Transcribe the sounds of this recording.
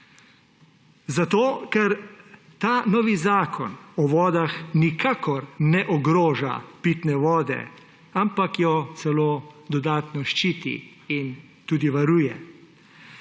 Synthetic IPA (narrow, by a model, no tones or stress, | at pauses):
zat̪oːkɛɾ | t̪aːnɔːʋizaːkʰɔ̰nɔʋɔːd̪axnikʰaːkɔɾnɛʔɔɡɾoːʒa̰pit̪nɛʋɔːd̪ɛ̰ | ampakjɔt̪sɛloːd̪ɔd̪aːt̪nɔʃt͡ʃiːt̪ḭ | in | t̪uːd̪iʋaɾuːjɛ